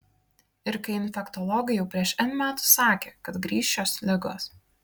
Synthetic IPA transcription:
ɪɾkɐɪɪnʲfʲɛkt̪ɔlˠɔɡɐɪjɛʊpʲɾʲiɛʃɛnmʲæːt̪u̥sɑːkʲeːkɐt̪ɡɾʲiːʃʲt͡ʃʲoːslʲɪɡo̰ːs

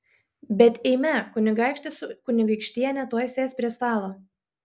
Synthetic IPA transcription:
bʲɛt̪ʲɛɪmʲɛkʊnʲɪɡɑˑɪkʃʲt̪ʲɪsʊkʊnʲɪɡɐɪkʃʲt̪ʲiːɛnʲɛt̪uɔjsʲeːsʲpʲɾʲiɛst̪ɑːlˠoː

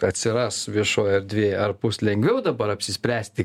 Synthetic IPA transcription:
ɐt̪ʲsʲɪɾɑsʋʲiɛʃoːjɐrd̪ʲʋʲieːjɐrpʊslʲɛŋʲɡʋʲɛʊd̪ɐbɐɾɐpʲsʲɪsʲpʲɾʲæːsʲt̪ʲɪ

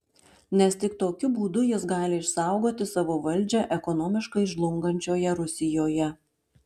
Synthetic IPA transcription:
nʲɛst̪ʲɪkt̪oːkʲʊbuːd̪ʊjɪsɡɑːlʲɪɪʃsɑˑʊɡoːt̪ʲɪsɑʋoːʋɐlʲd͡ʒʲɛʔɛkɔnɔːmʲɪʃkɐɪʒlˠʊŋɡɐnʲt͡ʃʲoːjɛɾʊsʲɪjoːjɛ

